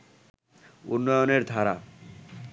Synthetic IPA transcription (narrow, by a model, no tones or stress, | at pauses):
ṵnːɔjoneɾd̪ʱaɾa̰